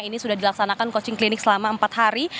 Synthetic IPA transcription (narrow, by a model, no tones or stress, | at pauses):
inisudahdilaksanakankot͡ʃɪŋklinɪk̚səlamaəmpat̪̚haɾi